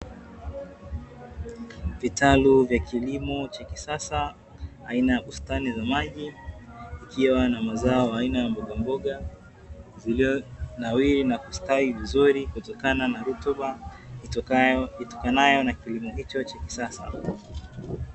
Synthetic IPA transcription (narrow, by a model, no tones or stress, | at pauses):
vitaluvjakʰilimɔt͡ʃakisasaː | inajaɓustanizamaʄiː | kʰiwanamazaɔwaːinajambɔɠambɔɠa | zilnawiɾinakustaivizuɾikutɔkananaɾutuɓa | itɔ̥kanajɔnakilimɔɦit͡ʃɔt͡ʃaki̥sasa̰